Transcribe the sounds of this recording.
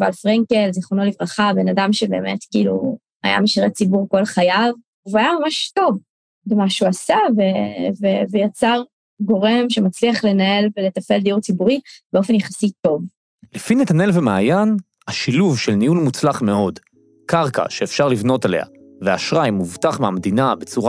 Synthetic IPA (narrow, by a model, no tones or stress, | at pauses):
valfʁeŋkelziχonolivʁaχabe̞nadamʃebe̞ːmetkiːlṵ | a̰ja̰meʃiʁet͡sibuʁko̞lχajav | uvajamamaʃto̞v | bemaʃuasavevevejat͡saʁ | ɡo̞ʁe̞mʃemat͡sliaχle̞nae̞lvelet̪afe̞ld̪iuʁt͡sibuʁib̥eofenjaχasito̞v | lefinet̪anelvemaːjan | haʃiluvʃelniulmut͡slaχme̞o̞d | kaʁka̰ʃeːfʃaʁlivno̞tale̞̰ha̰ | veaʃʁajmuvtaχmeamd̪inabe̞t͡suʁa